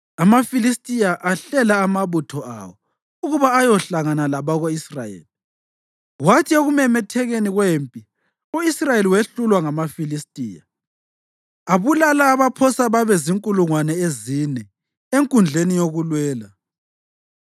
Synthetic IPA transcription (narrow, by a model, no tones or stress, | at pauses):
amafilistʼijaʔaɬɛlaːmaβutʰɔʔa̰wɔ | uɣuβaːjɔɬaɣanalaβaɣoisra̰jḛːli | watʰioɣumɛmɛtʰɛɣeniɣwempʼi | uisrajeliweɬulwaŋamafilistʼiːja̰ | aβulalaːβapʰɔsaβaβɛziŋkʼuluŋwanɛezinɛ | eŋkʼund͡ɮʱenijoɣulwɛːla